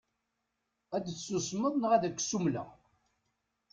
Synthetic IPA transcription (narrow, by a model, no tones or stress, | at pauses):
æd̪sːusməðˤnəʁæðækʷːsumlə̰